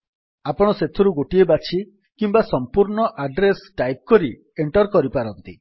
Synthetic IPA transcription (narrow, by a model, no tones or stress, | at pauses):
apɔɽ̃ɔset̪ʰɔɾuɡoʈiebat͡ʃʰi | kimbasɔmpuɾɳɔʔaɖɾesʈajp̚kɔɾi | eɳʈɔɾkɔɾipaɾɔnt̪i